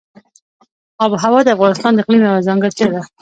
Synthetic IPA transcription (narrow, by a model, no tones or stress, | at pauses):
ɑbəɦawɑd̪əafɣɑnɪst̪ɑnd̪əɪqlimjawazaŋɡaɾt͡ʃad̪a